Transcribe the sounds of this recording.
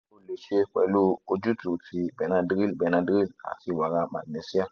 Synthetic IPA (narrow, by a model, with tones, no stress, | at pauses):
o˦le˨t͡ʃe˦k͡pɛ̰˨lu˦o˨d͡ʒu˦tu˨ti˨bɛ˨na˦dɡi˦lbɛ˨na˧dɡi˦la̰˨ki˦wa˨ɡa˦ma̰˨dne˨si˦a˦